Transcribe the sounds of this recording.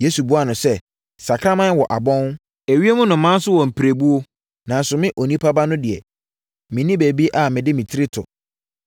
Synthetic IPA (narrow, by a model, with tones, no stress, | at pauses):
je˦su˨bu˦a˨nʊ̃˨sɛ˦ | sa˨kʰɾa˦mã˦wɔ˨ʔa˨bɔ̃˦n | e˨ɥi˦e˦mʊ̃˦nʊ̃˨mã˦sʊ˦wɔ˨m̩˨pʰi˨ɾe˨bu˦o˦ | nã˨n˨sʊ˨mɪ̃˦ʔo˨nĩ˦pʰa˦ba˦nʊ̃˦dɪ˨ɛ̰˨ | mɪ̃˨nĩ˦be˨bi˦ʔa˨mɪ̃˨dɪ˦mɪ̃˨tʰɪ˦ɾɪ˦tʰʊ̰˨